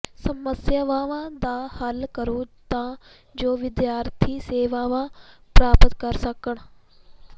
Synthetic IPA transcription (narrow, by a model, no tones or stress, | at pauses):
sɐməsjəʋaːʋãːd̪aːhɐlkəɾot̪ãː | d͡ʒoːʋɪd̪jaːɾt̪ʰiːseːʋaːʋãːpɾaːpət̪kɐɾsɐkəɽ̃